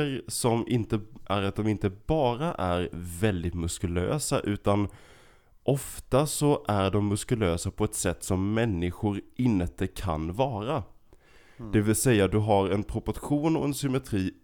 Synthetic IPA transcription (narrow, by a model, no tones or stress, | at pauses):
ɾsɔmɪnt̪əʔæɾat̪̚d̪ɔmɪnt̪əbɑːɾaʔæɾvɛld̪ɪt̪mɵskɵlø̰ːsa̰ʔʉ̟ːt̪an | ʔɔft̪asɔʔæɖɔmːɵskɵløːsapʰɔɛt̪sɛt̪ːsɔmːɛnːɪɧʊɾʔɪnt̪əkʰa̰nvɑːɾa | d̪̥ɛvɪlsɛjːad̪ɵɦaɾɛnpʰɾʊpɔɾɧuːnɔɛnsʏmɛt̪ʰɾiː